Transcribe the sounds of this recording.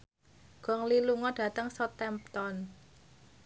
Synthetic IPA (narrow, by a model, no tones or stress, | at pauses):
ɡ̥ɔ̤ŋliluŋɔɖ̥a̤t̪əŋsɔt̪ɛmp̚t̪ɔn